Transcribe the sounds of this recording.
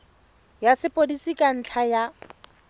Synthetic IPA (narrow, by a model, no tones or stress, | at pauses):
jasɪpʼodisikʼan̩t͡ɬʰaja